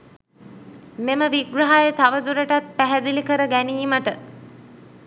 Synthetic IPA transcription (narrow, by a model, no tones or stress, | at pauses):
meməʋiɡraɦajət̪aʋəd̪uɾəʈat̪̚pæɦæd̪ilikəɾəɡæniːməʈə